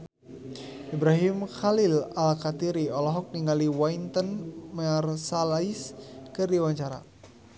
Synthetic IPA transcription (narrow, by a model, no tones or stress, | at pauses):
ibɾaɦimxalilalkat̪iɾiɔlɔɦɔk̚niŋaliwaint̪ənmarsalaiskɨrdiwaɲt͡ʃaɾa̰